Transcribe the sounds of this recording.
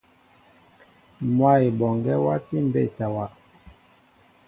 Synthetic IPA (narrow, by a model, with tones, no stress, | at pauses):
mwa˦˨i˨bɔ˨ŋɡɛ˦wa˦ti˦m̩˨be˦˨ta˨wa˨